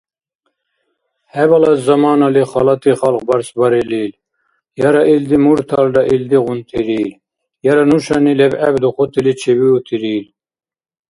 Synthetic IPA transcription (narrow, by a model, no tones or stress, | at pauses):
hɛbɑlɑzɑmɑːnɑliχɑlɑt̪iχɑlq̚bɑɾsbɑɾɛlil | jɑɾɑʔild̪imuɾt̪ʰɑld̪ɑʔild̪iʁunt̪ʰiɾil | jɑɾanuʃɑnilɛbæbd̪uχʰot̪ʰilit͡ʃʰɛbiut̪ʰiɾiːl